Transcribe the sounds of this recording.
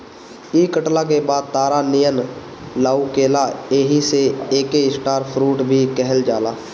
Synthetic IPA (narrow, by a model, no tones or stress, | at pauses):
iːkəʈlak̬ebaːd̪̚t̪aːɾanijən | laːukeːlaeɦiseeːkeɪsʈaːɾpʰɾuːʈbʱikɛɦəld͡ʒaːlaː